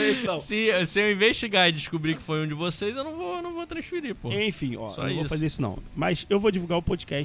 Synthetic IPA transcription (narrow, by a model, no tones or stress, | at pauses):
isnɐ̃sɪsɪewĩveʃt͡ʃiɡaɾɪd͡ʒɪʃkubɾikɪ̥fojũd͡ʒɪvosejzewnɐ̃w̃vonɐ̃w̃vot̪ɾɐ̃ʃfiɾipoẽj̃fĩɔ̰sɔ̰̃voswfazeɾisʊnɐ̰̃w̃mɐ̰sewvod͡ʒivuɡaɾʊpod͡ʒikɛʃ